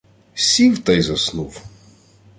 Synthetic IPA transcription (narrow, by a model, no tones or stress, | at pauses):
sʲiwt̪ɐjzɐsnuw